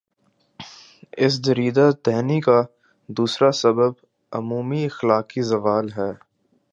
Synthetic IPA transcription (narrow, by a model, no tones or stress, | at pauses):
ɪs̬d̪ɐɾiːd̪at̪ɛɦnika | d̪uːsɾasɐbəb | ʊ̰muːmiɪxlaːkizɐʋaːlɦɛː